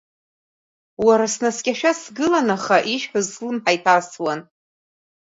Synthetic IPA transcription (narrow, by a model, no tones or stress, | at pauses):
waɾasnaskʲʼaʃᶣasɡɨlanaχaʔiʃħʊzslɨmħajpʰaswan